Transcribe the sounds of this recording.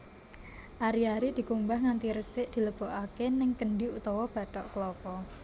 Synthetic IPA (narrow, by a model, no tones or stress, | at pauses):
ʔaɾiaɾid̪̥i̤kumbahŋant̪iɾəsɪʔd̪̥i̤ləb̥o̤ʔakenɪŋkəɳɖiut̪ɔwɔb̥ä̤t̪ɔʔkəlɔpɔ